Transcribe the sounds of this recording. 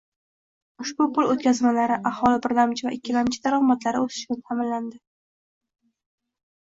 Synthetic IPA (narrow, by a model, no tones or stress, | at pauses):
ʊʃbʊpʊlˠot̪̚kʲʰazmalaɾɪʔahɒlɪbɪɾlamt͡ʃʰɪva̰ʔɪkʲʰːɪlamt͡ʃʰɪd̪aɾɒʁmat̪laɾɪosɪ̥ʃɪnɪt̪ʰamɪnland̪ɪ